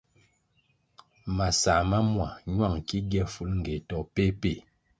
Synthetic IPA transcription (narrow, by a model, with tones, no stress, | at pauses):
ma˨sa˨ma˦mwa˨ɲwa˦˨ŋki˦ɡjɛ˦fu˦lŋ̩˨ɡe˨tɔ˨pe˦pe˦˨